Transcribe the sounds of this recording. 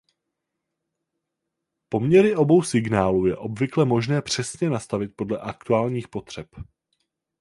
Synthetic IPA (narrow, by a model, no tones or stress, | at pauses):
po̞mɲɛɾɪʔo̞bo̞wsɪɡnaːluːjɛ̰ʔo̞bvɪklɛmo̞ʒnɛːpr̝̥ɛsɲɛnast̪avɪt̪̚po̞dlɛʔakt̪uaːlɲiːxpo̞t̪r̝̥ɛp